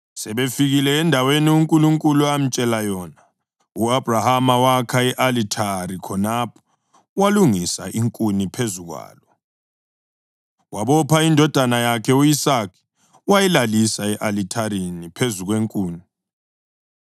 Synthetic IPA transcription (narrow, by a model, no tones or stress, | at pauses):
sɛβefiɣilɛːndʱaweniuŋkʼuluŋkʼuluam̩t͡ʃʼɛlajɔːna | uab̥ʱrahamawakʰaɛʔalitʰaɾikʰɔnapʰɔ̥ | waluŋisa̰ʔiŋkʼunipʰezuɣwa̰ːlɔ | waβɔpʰaindʱɔd̥ʱanajakʰɛuisakʰi̥ | wajɛlalisaɛʔalitʰaɾinipʰezuɣweŋkʼuːni